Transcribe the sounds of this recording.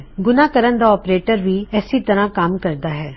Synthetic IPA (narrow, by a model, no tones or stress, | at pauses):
ɡʊnãːkəɾənd̪aːɔːpɾeːʈəɾʋiːɛːsiːt̪əɾãːkamkəɾd̪aːɦɛː